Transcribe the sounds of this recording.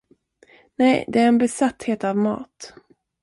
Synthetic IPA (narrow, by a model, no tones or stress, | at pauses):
nɛjd̪ɛæɾɛnbɛsat̪ːheːt̪avmɑ̰ːt̪